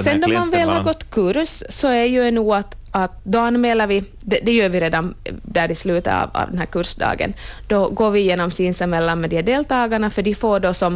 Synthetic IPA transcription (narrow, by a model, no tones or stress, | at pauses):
sɛnd̪ɔmanvɛːlhɑɾɡɔt̪ːkʰʉɾsːɔæjʉnuːat̪ | ɑt̪̚d̪ɔanːmɛːlaɾʋɪ | d̪ɛd̪ɛjøːɾʋɪɾeːd̪and̪æːɾɪslʉːt̪əɑ̰vɑ̰ːvd̪ɛnhæːɾkʉɾʂd̪ɑ̰ːɡə̰nd̪̥ɔɡoːɾvɪjeːnɔmsiːnsəmɛlːanmɛd̪ɪɖeːlt̪ɑːɡaɳafœdɪfoːɖɔsɔm